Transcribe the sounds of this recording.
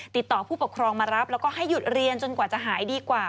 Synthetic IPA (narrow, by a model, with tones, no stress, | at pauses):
t̪i˨˩t̪ːɔː˨˩pʰuː˥˩pu˨˩kʰɾɔː˧ŋmaː˧ɾa˦˥p̚lɛː˦˥wkɔː˥˩ɦa˥˩jːu˨˩t̪̚ɾi˧ənt͡ɕo˧nkwaː˨˩t͡ɕa˨˩ʔɦaː˩˦jdiː˧kwaː˨˩